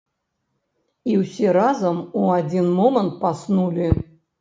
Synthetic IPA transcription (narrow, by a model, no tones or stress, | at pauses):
iwsʲɛɾazɐmuad͡zʲinmɔmənt̪̚pasnulʲi